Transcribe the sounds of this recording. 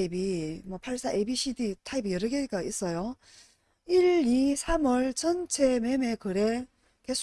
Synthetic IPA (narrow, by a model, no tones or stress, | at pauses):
ibimwʌpʰaɭs͈aʔebiɕʰiditʰaibijʌɾɯɡek͈ais͈ʌjo | iɭisʰamʌɭt͡ɕʌnt͡ɕʰeme̞me̞kɯɾe̞ | ke̞sʰ